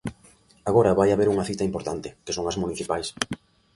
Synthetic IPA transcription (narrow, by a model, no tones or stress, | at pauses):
aɣoɾɐβajaβeɾuŋɐθit̪ɐimpoɾt̪ant̪ɪkesoŋɐzmuniθipajs